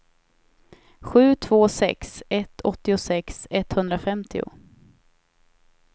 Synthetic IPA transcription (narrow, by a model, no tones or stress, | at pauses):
ɧʉ̟ːt̪ʰv̥oːsɛ̰ksɛt̪ʰːɔt̪ːɪʊsɛksɛt̪ːhɵnd̪ɾafɛmt̪ʰɪʊ̰